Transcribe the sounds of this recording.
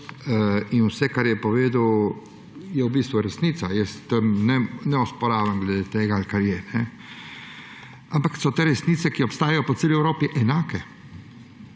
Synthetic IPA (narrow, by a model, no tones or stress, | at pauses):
inwsɛkaɾjɛpɔʋeːd̪əw | jɛwbiːst̪ʋuɾɛsniːt̪sajɛst̪əmnɛnɛɔspɔɾaːʋəmɡlɛd̪eːt̪eːɡaalkaɾjɛnɛ | ampaksɔt̪eːɾɛsniːt̪ɛkiɔpst̪aːjajɔpɔt̪eːliɛwɾoːpiʔɛnaːkɛ